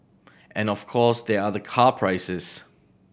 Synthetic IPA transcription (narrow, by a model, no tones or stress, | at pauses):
ʔɨ̃nɔv̥kʰɔːˑsðəəðəkʰɑːpʰɹ̥aɪsɪz̥